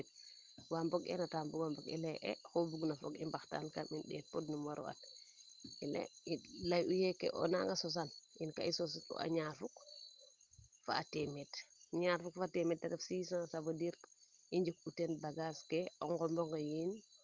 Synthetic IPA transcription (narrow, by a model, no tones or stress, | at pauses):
t̚ | wambɔɡɛ̰nataːmbuɡwambɔɡḭlɛʔɛ̰xobuɡnafɔ̰kḭmbaxta̰nkaminɗɛt̚podnumwaɾo̰a̰t | ilḛilajujɛkḛʔɔ̰na̰ŋɡasɔs̬anʔinka̰isɔs̬atɔ̰ʔa̰ɲaːɾfuk | fa̰ːtemetɲaɾfukfatɛmɛt̚daɡafsiːsãsabodiɾ | iɲd͡ʒuk̚utɛnbaɡaskeʔɔŋɡɔmbɔŋɡajin